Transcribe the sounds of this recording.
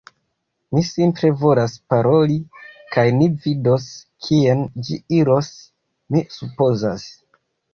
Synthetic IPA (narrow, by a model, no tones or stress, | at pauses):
misimpɾe̞vo̞laspaɾo̞likajnivido̞skʰiend͡ʒiiɾo̞s | misupo̞zas